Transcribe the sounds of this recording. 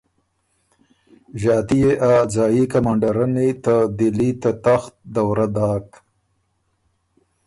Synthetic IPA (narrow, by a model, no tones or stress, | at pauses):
ʒɑːt̪ijeʔad͡zɑːjikamaːɳɖaɾanit̪ad̪ɪlit̪at̪axt̪̚d̪awɾad̪ɑːk